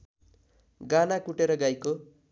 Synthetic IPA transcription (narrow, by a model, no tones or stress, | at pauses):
ɡanakuʈeɾʌɡajko